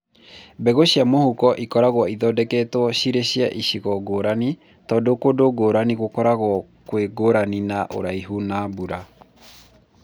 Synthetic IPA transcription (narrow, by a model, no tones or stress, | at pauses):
bɛɣoɕiamohukɔʔikɔɾaɣwɔiðɔdɛkɛtwɔɕiɾeɕia̰ʔiɕiɣɔɡoːɾani | tɔːdokodoɡoːɾaniɣokɔɾaɣwɔkweɡoɾaninaʔo̰ɾaiɦunabuɾa